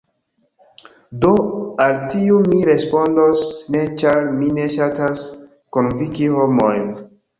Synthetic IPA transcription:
do̞altiumiɾe̞spo̞ndosne̞t͡ʃaɾmine̞ʃatas | konvikiho̞mo̞jn

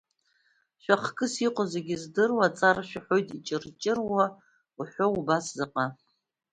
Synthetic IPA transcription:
ʃᶣʷaχkʼɨsiqʷʼozeɡʲizdɨrwat͡sʼarʃᶣaħʷojtʼit͡ʃʼɪrt͡ʃʼɪrwa | uħʷoubaszɨqʼa

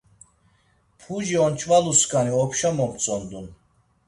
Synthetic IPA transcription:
pʰuʒiɔnt͡ʃʰʼvaluskʼaniɔpʰʃamɔmt͡sʼɔnd̪un

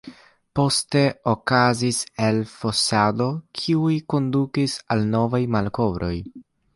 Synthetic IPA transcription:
po̞ste̞okazise̞lfo̞sado̞kʰiujko̞ndukisalno̞vajmalko̞vɾo̞̰j

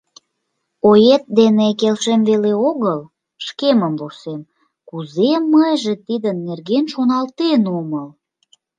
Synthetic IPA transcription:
ojet̪̚d̪enekelʃemveleoɣəl | ʃkeməmvusem | kuzemːəjʒĕt̪id̪ənːerɣenʃonɑlt̪enuməl

